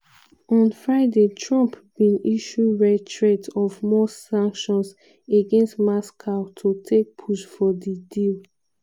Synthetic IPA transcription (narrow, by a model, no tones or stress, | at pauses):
ɔ̃nfɹaɪdetʰɹɔ̃mpb̥ĩniʃuiɹɛtʰɹetɔvmɔsãŋkʃɔ̃ns | eɡɛ̃nstmaskʰaʊtʰotʰek̚pʰuʃfɔdidil